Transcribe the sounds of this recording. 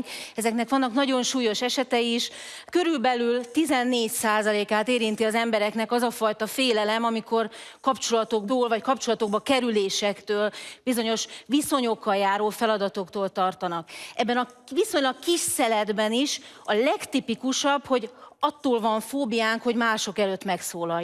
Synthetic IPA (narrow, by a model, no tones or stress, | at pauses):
ɛzɛknɛkʋɒnːɒknɒɟo̞nʃuːjo̞ʃɛʃɛt̪ɛjiʃ | kø̞ɾylbɛlylt̪izɛnːeːɟsaːzɒleːkaːt̪eːɾint̪iɒzɛmbɛɾɛknɛkɒzɒfɒjt̪ɒfeːlɛlɛmɒmiko̞rkɒpt͡ʃolɒt̪o̞ɡboːlvɒckɒpt͡ʃo̞lɒt̪o̞ɡ̚bɒkɛɾyleːʃɛkt̪øːlbizo̞ɲo̞ʃviso̞ɲo̞kːɒjaːɾoːfɛlɒd̪ɒt̪o̞kt̪oːlt̪ɒrt̪ɒnɒkɛbːɛnɒʋiso̞ɲlɒkkiʃsɛlɛd̪bɛniʃ | ɒlɛkt̪ipikuʃɒbho̞ɟɒt̪ːoːlvɒɱfoːbijaːŋkho̞ɟmaːʃo̞kɛløːt̪ːmɛksoːlɒj